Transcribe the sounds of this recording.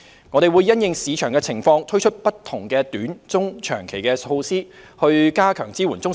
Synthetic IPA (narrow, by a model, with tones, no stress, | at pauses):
ŋɔː˨˧ɾe˨jwuː˨˧jːɐ˥njɪ˨˧ŋsiː˨˧t͡ʃʰœː˨˩ŋkɛː˧t͡sʰɪ˨˩ŋfɔː˧ŋt̪ʰɵ˥ɥt͡ʃʰɵ˥t̚pɐ˥t̪ʰʊ˨˩ŋkɛː˧t̪yː˨˥nt͡sʊ˥ŋt͡ʃʰœ̰ː˨˩ŋkʰe˨˩jkɛː˧o˧wsiː˥ | hɵ˧ɥkaː˥kʰœː˨˩ŋt͡siː˥wuː˨˩nt͡sʊ˥ŋ